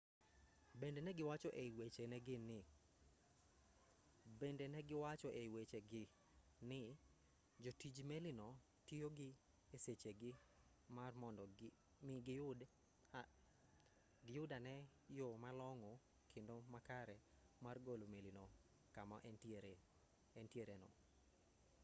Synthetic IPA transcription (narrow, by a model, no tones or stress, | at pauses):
bendenɛɡɪwat͡ʃɔʔeiwet͡ʃenɛɡɪnɪ | bendenɛɡɪwat͡ʃɔʔeiwet͡ʃeɡɪ | nɪ | d͡ʒotid͡ʒmelinɔ | tijoɡɪ | eset͡ʃeɡɪ | marmɔndɔ | mɪɡɪjʊd | ɡɪjʊdanɛ | jomalɔŋɔ | kʰendomakaɾɛ | marɡolomelino | kama̰ʔ | ɛntjeɾenɔ̰